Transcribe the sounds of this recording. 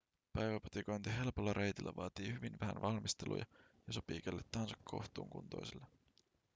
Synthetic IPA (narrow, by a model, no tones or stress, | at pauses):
pæjʋæpo̥t̪ikojnt̪iɦe̞lpolːɑɾʔe̞jt̪ilːæ̰ʋɑːt̪iːhyʋinʋæɦæ̰nʋʔɑlmist̪e̞lṵjɑ̰jɑsɑpiːkælːet̪ːɑhɑnsɑkʰːkʰo̞̰ht̪ṵːŋkṵnt̪o̰jsilːɑ